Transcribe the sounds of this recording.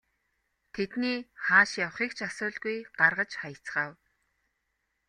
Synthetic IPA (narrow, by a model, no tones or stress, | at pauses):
t̪ʰet̪niːχaːʃjawχiːkt͡ɕʰasʊːɮɣujɢ̥arʁə̆t͡ɕχajə̆t͡sχaːw